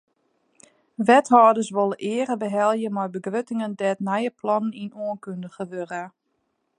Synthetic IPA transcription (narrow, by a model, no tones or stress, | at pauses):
ʋɛthɔːdəsʋolˠəʔɪəɾəbəɦɛlˠjəmɔjbəɡrøtɪŋəndɛːtnɛjəplɔnəninoənkøndəxəʋørə